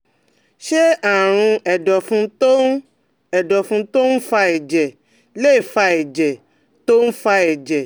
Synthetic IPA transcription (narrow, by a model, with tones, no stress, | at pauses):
ʃe˦a˨ɾ̃ũ˧ɛ˨dɔ˨fũ˧˦to˦ | ɛ˨dɔ˨fũ˧˦to˦n̩˦fa˧ɛ˨d͡ʒɛ˨ | le˦i˦˨fa˧ɛ˨d͡ʒɛ˨ | to˦n̩˦fa˧ɛ˨d͡ʒɛ˨